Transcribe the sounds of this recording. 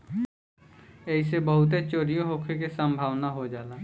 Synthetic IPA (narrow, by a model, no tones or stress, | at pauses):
ɛis̬ebəɦʊt̪̬et͡ʃoːɾijoɦokʰek̬esə̃mbʱaːʋnaɦod͡ʒaːlaː